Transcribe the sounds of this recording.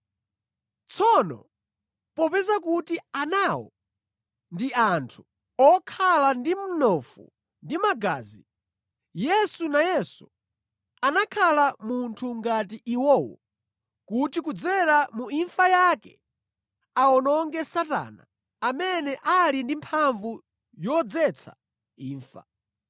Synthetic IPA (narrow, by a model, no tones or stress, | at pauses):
t͡sʰɔnɔ̰ | pɔpɛzakutianawɔ̰ | ndiʔantʰu̥ | ɔkʰalandim̩nɔfṵ | ndimaɡa̰ːzi | jɛsunajɛsu | anakʰalamuntʰuŋɡatiʔiwɔːwɔ̰ | kutikud͡zɛɾamuiɱfajakɛ̰ | aɔnɔŋɡɛsata̰ːna̰ː | mɛnɛʔalindimpʰaɱvu | jɔd͡zɛt͡sʰa | iːɱfa̰